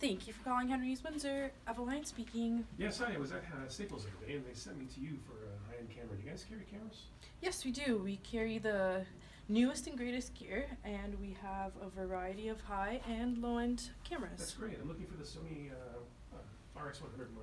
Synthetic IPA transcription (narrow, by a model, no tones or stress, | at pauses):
θæ̃ŋkʰjɨfə˞kʰɔlˠɪ̃ŋhɛ̃ɹĩizwʌ̃nzə˞ævəlãɪ̃nspikɪ̃ŋjæsãniwʌzðɨt̚ʌseɪpl̩ˠzɨədeɪɨ̃nðeɪsɛ̃nt̚miɾʰɨjɨfə˞haɪɨ̃nkʰæmə˞ɨ̰dɨɡaɪskʰɛɹikʰæmə˞ɨs | jɛswidʉwikʰɛɹiðɨ | nʉɨstɨ̃nɡɹeɪɾɨstɡ̥ɪɹɨ̃nwiəvəvə˞aɪɨɾiʌv̥haɪʔɨ̃nlɔ̃ɪ̃nd̥kʰæmə˞ɨðæssɹeɪt̚ãɪ̃mlʊkɪ̃ŋfə˞ðɨsõʊniʌ | ʌ | faɹɛkswʌ̃nhʌ̃ndɹədn̩mã